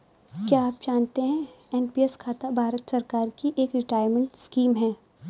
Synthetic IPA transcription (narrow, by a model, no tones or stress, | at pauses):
kjaaːp̚d͡ʒaːnt̪eɦɛ̃ɛːnpieskʰaːt̪abʱaːɾət̪sɐɾkaːɾkiʔeːkɾɪʈaːɪɾmə̃ɳʈskiːmɦɛ̃ː